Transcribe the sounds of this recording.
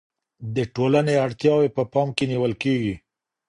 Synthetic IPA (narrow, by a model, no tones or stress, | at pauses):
d̪əʈolaneaɽt̪jɑwepəpɑmkeniwəlkeɡi